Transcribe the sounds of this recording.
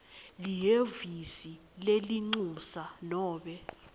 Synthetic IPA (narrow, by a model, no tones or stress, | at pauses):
lijevisi | leliŋ͡ǀusanɔːɓɛ